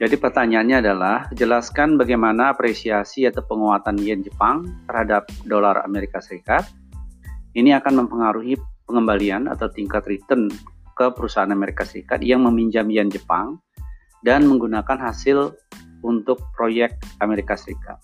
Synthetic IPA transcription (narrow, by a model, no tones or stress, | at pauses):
d͡ʒadipərt̪aɲaːnɲaːdalahd͡ʒəlaskanbaɡajmanaːpɾesiasiat̪awpəŋowat̪anjɛnd͡ʒəpaŋt̪ərhadap̚dolara̰meɾikasəɾikat̪̚ | iniakanməmpəŋaɾuɦipəŋəmbaliana̰t̪awt̪iŋkat̪ɾit̪ənkəpəɾusaanameɾikasəɾḭka̰t̪̚jaŋməmiɲd͡ʒamjand͡ʒəpa̰ŋ | danməŋɡunakanɦasɪl | unt̪ʊk̚pɾojɛk̚ameɾikasəɾika̰t̪̚